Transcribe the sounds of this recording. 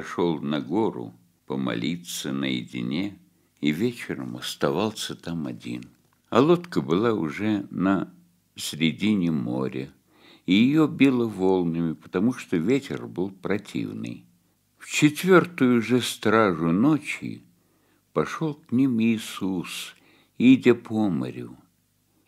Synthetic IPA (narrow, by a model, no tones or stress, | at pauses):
ʂolˠnɐɡoɾʊ̰ | pəmɐ̰lʲit̪sənəjɪ̰dʲɪ̰nʲe | ivʲet͡ɕɪɾə̰mɐst̪ɐvalˠsʲət̪amɐdʲḭn | ɐlˠot̪kəbɨlˠaʊʐɛnə | sʲɾʲɪdʲinʲɪmo̰ɾʲɪ | ijɪjobʲilˠəvo̞lˠnɨmʲɪpə̥t̪ɐmuʂt̪ovʲetʲɪ̰rbɨlˠpɾɐtʲʰḭvnɨ̰j | ft͡ɕɪt̪vʲo̞rt̪ʊjʊʐɨst̪ɾaʐʊnot͡ɕɪ̰ | pɐʂolˠknʲimiːsus | idʲɪpomə̰ɾʲɪ